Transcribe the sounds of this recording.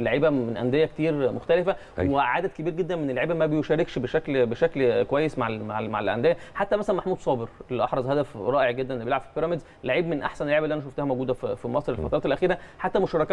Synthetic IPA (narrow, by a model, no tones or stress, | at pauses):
lːaʕiːbæmenʔæ̰nd̪ejːæket̪iːɾmoxt̪ælefæ | weʕaːd̪æd̪̚kebiːɾɡed̪ːænmenelːaʕiːbæmæbejoʃæːɾekʃbeʃæklbeʃæklkowæjːesmaʕmaʕma̰ʕalʔæ̰nd̪ejːæħat̪ːæmæsælænmaħmuːd̪sˤɑːbeɾʔelːiʔɑħɾˤɑzˤhæd̪æfɾˤɑːʔeʕɡed̪ːænʔlːbjelʕabfilpeɾɑmed̪z | laʕiːbmenʔa̰ħsænelːaʕibælːiʔænæʃoft̪æhæmowɡuːd̪æfifimɑsˤɾelfɑt̪ɑɾˤɑːt̪elʔæxiːɾæħat̪ːæmoʃɑɾˤɑkɑ